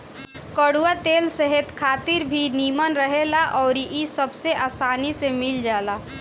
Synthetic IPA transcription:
kəɽuwat̪eːlsəɦɛt̪kʰaːt̪ɪɾbʱiniːmənɾəɦelaʔɔːɾisəbseʔaːsaːnisemɪld͡ʒaːla

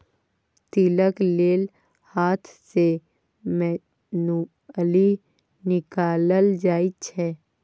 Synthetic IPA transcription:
t̪iləkleːl | haːt̪ʰse | mɛ | nu | əli | nɪkaːləld͡ʒaːit͡ʃʰɛː

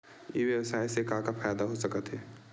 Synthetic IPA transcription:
jḛʋjəwəsaːisekãkapʰajd̪aɦosəkət̪ɦɛː

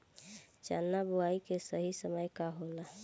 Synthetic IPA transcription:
t͡ʃa̰ːnːabʊaːikesəɦisəməjkaɦola

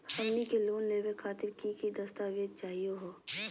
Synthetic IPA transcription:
hɐmnikeloːnleːʋekʰaːt̪ɪɾkikid̪ɐst̪aːʋed̪̚t͡ʃaːɦijoɦoː

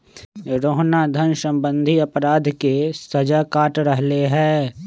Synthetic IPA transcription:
ɾoːɦnad̪ʱənsə̃mbə̃nd̪ʱiɐpɾaːd̪ʱkesɐd͡ʒakaːʈɾəɦleɦɛ̃ː

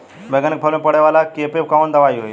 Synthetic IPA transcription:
ʋɛɡanik̚pʰəlmẽpəɽeʋaːlakepep̚kaʋond̪ɐʋaiɦoj

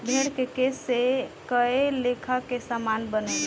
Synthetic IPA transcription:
bʱeɽkekesekəelekʰəkesamanbəne

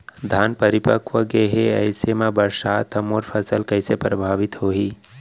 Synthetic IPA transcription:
d̪ʱaːnpəɾɪpəkʋəɡeɦeə̰ɪsemãbəɾsaːt̪ʰəmoːɾpʰəsəlkəɪsepɾəbʱaːʋɪt̪ɦoiː

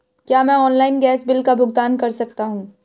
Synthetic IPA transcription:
kjaːmɛ̃ɔːnlaːɪnɡɛːsbɪlkabʱʊɡ̚d̪aːnkɐɾsɐk̚t̪aɦũː

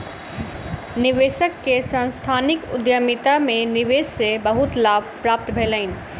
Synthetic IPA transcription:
niʋesəkːesə̃nst̪ʰanikʊd̪jəmit̪ameniʋessebəɦut̪labʱpɾap̚t̪bʱelən̆

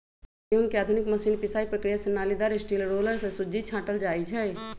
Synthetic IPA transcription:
iʊnkeaːd̪ʱʊnɪkmɐsiːnpɪsaːipɾəkɾijasɐnːaːlid̪aːɾesʈiːlɾoːləɾsẽsʊd͡ʒit͡ʃʰãːʈəld͡ʒaːit͡ʃʰɛ

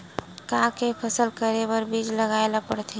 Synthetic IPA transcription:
kãkepʰəsəlkəɾebəɾbid͡ʒləɡaelapəɽt̪ʰe

